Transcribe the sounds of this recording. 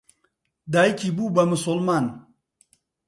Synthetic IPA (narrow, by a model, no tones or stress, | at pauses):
d̪aːjkibubɐmʊsolmaːn